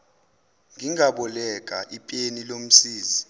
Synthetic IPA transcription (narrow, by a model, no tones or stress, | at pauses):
ŋʱiŋaɓɔlɛk̬ʼaʔipʼenilom̩siːzi